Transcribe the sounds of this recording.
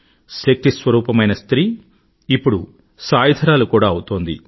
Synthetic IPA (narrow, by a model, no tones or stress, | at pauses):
sek̚ʈ̪isʋɐɾuːpɐmɐjnɐst̪ɾiː | ipːuɽu | saːjɐd̪ʱɐɾaːlukuːɽaːɐwut̪oːnd̪ḭ